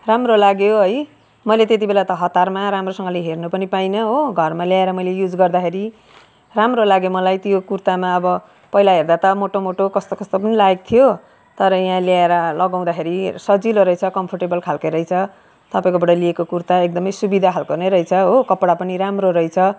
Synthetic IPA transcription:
ramrolaɡjoɦʌj | mʌjlet̪et̪̬ibelat̪ʌɦʌt̪ːarmaɾamrosʌŋɡʌleɦernupʌnipajnʌɦoɡʱʌrmaljaeɾʌmʌjlejud͡zɡʌrd̪akʰeɾi | ramrolaɡjomʌlajt̪jokurt̪amaʌbʌ | pʌilaɦerd̪at̪ʌmoʈomoʈokʌst̪okʌst̪opʌnilaek̚t̪ʰijo | t̪ʌɾʌjɦãljaeɾʌlʌɡaw̃d̪akʰeɾisʌd͡ziloɾʌjt͡sʰʌkʌmpʰʌrʈebʌlkʰalkʌjɾʌjt͡sʰʌ | t̪ʌpaĩkobʌɽʌliekokurt̪aek̚d̪ʌmʌjsubid̪ʱakʰalkorneɾʌjt͡sʰʌɦokʌpɽapʌniɾamroɾʌjt͡sʰʌ

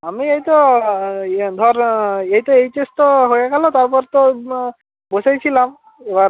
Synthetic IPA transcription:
amiejt̪ɔ | d̪ʱɔɹeɦit̪ɔejtestɔɦojakʰalɔt̪aɹpɔɾt̪ɔ | bosajsʰilam | eba

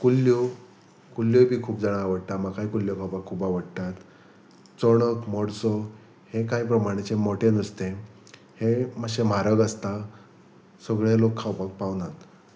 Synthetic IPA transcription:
kulːjɔ | kuljɔbʱiːkʰuːp̚d͡zaɽ̃aaʋəɽt̪amaɡkːaɦikuljɔkʰawpakʰːuːpaʋəɽt̪at̪ | t͡sɔɽ̃əkmɔɽsɔ | hekajpɾəmaɽ̃et͡semɔʈʰenəst̪e | heməɕem̤aɾəɡəst̪a | səɡɭelokʰːawpak̚pawnat̪

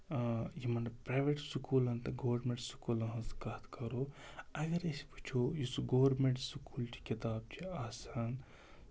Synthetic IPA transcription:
jimɐnɐpɾaːjʋeʈsukuːlɐnt̪ɐɡoːʋɐɾmẽɳʈsu̥kuːlɐ̃ɦɐ̃skɐt̪kɐɾoːɐɡɐɾɐsi̥pu̥t͡ʃʰojusuɡoːʋɾmeɳʈsukuːlt͡ʃʰi̥kit̪aːbt͡ʃʰiaːsaːn

